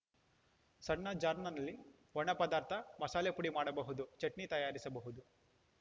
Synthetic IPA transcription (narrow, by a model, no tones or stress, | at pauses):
sɐɳɳːɐd͡ʒaːɾnɐnɐlːi | ʋɐɳɐpɐd̪aːɾt̪ʰɐmɐsaːlepuɽimaːɽɐbɐɦud̪ut͡ʃeʈnit̪ɐjaːɾisɐbɐɦud̪u